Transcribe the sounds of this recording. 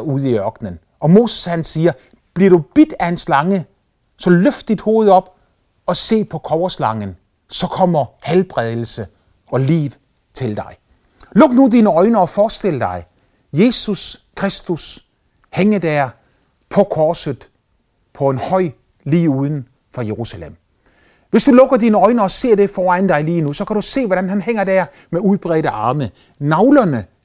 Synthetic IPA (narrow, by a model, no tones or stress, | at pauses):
uð̞̩̰ˠiɶɐɡ̥nən | ɒ̽mo̝ːsə̥shænsiːɐ | b̥liɐɾ̥ub̥id̥æhenslɑ̈ŋə | sɒ̽løfd̥d̥id̥ho̝ːð̞̩ˠɒ̽b̥ | ɒ̽se̝̰ːpʰɒ̽kʰɒʊɐslɑ̈ŋən | sɒ̽kʰɒ̽m̰ɐhælb̥ʁɛð̞ˠl̩sə | ɒ̽lḭːʋ | t͡sʰe̝ld̥ɑ̈ɪ | lɔ̽ɡ̥nudiːnəɒ̽ɪnəɒ̽fɒːsd̥e̝l̰əd̥ɑ̈ɪ | je̝ːsuskʰʁesd̥us | heŋɐd̥æɐ | pʰɒ̽kʰɒːsð̩ˠ | pʰɒ̽e̝nhɒɪ̰ | lḭːuːð̞ˠn̩ | fɒ̽jeʁusælem̰ | ʋe̝sd̥ulɔ̽ɡ̥ɐdiːnəɒ̽ɪnɐɒ̽se̝ɐ̰de̝fɒːænd̥ɑ̈ɪliːnusɒ̽kʰæɾ̥use̝̰ːʋɒɾ̥ænhænheŋ̰ɐd̥æɐ | meuðˠb̥ʁɛːɾəʔɑ̈ːmə | nɑ̈ʊlɐnə